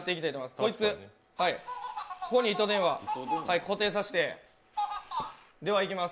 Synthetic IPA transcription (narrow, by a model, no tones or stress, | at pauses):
t̪ːe̞ikʲit̪ait̪omimasɨ̥ko̞it͡sɨ | haikʰokoɲ̟iit̪o̞d̪ẽ̞ɰ̃βahaiko̞t̪e̞ːs̬aɕi̥t̪e̞ | d̪e̞βaikʲimas